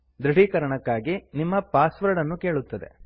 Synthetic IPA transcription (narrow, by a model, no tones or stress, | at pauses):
d̪ɾɐɽiːkɐɾɐɳɐkːaːɡinimːɐpaːsʋɐɾɖɐnːuke̞ːɭut̪ːɐd̪e̞̰